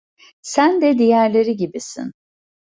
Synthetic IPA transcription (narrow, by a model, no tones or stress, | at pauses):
sænd̪ɛd̪ijæɾlʲeɾiɟibisḭn